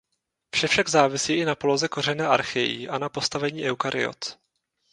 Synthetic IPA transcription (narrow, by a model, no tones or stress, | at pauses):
fʃɛfʃaɡzaːvɪsiːʔɪnapolo̞zɛko̞rɛnɛːʔa̰ɾxɪjḭːʔanapo̞st̪avɛɲiːʔɛwkaɾɪ̰o̰t̪